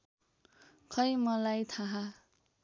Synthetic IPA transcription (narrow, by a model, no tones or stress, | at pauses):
kʰʌjmʌlajt̪ʰaɦa